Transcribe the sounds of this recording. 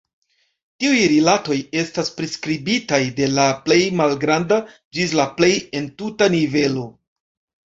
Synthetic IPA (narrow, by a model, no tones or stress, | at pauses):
tiujɾilato̞je̞staspɾeskɾibitajde̞laple̞jmalɡɾanda | d͡ʒizlaple̞je̞ntutanive̞lo̞